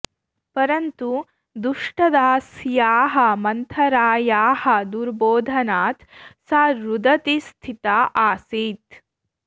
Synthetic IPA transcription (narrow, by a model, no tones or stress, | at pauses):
pɐɾɐnt̪u | d̪uʂʈɐd̪aːsjaːɦɐ̆mɐnt̪ʰɐɾaːjaːhɐd̪uɾboːd̪ʱɐnaːt̪saɾud̪ɐt̪ist̪ʰit̪aːʔaːsiːt̪